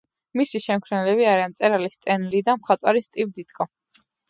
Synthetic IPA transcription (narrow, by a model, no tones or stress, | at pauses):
misiʃɛmkʰɾɛnlɛβiaɾiant̪sʼɛɾalist̪ʼɛnlid̪amχat̪ʼwaɾist̪ʼivd̪it̪kʼɔ